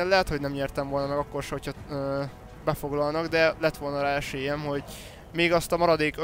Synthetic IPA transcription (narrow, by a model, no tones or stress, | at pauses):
ɛnlɛɦɛt̪hoɟnɛmɲɛːrt̪ɛɱvo̞lnɒmɛɡɒkːo̞rʃɛho̞cʰhɒ | bɛfo̞ɡlɒlnɒɡd̪ɛlɛt̪ʋo̞lnɒɾaːɛʃeːjɛmɦo̞ɟ | meːɡɒst̪ɒmɒɾɒd̪eːkø